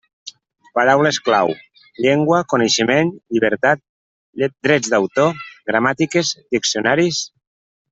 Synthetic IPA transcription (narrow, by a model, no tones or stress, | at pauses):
paɾawleskla̰w | ʎeŋɡwakoneʃemenʎiβ̞əɾt̪at̪̚ | d̪ɾɛd͡zd̪awt̪oɡɾamat̪ikezd̪iksionaɾis